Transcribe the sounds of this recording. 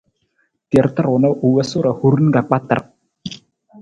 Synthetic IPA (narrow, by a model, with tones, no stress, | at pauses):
ti˨e˨ɾt̪ə˦ɾʊ˨na˦ʔu˨wə˦su˦ɾa˨hu˦ɾn˦ɡa˨k͡pa˦t̪ə̰˨r